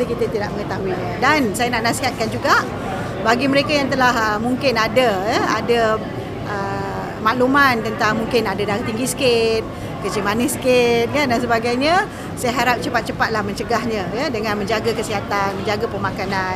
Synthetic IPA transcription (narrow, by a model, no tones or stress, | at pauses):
əkit̪ət̪idaʔ̚məŋət̪aiɲədansajanaʔnasat̪̚kand͡ʒuɡaʔ | baɡiməɾekajaŋt̪əlahəmuŋkɪnadəjəadə | ʔə | maʔlumant̪ənt̪aŋmuŋkɪnadadaɾaht̪iŋɡisə̥kɪt̪̚ | kət͡ʃimanɪsə̥kɪt̪̚kandans̬əbaɡajɲə | sajaɦaɾap̚t͡ʃəpat̪̚t͡ʃəpat̪̚lahməɲt͡ʃəɡahɲə̃jədəŋãnmə̃ɲd͡ʒaɡakəsiɦat̪anməɲd͡ʒaɡapərmakanan